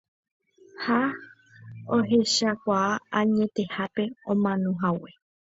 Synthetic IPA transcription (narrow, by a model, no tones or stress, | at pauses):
ha | oɦe̞ʃakʷaaaɲẽ̞t̪e̞hape̞õmãnõɦawe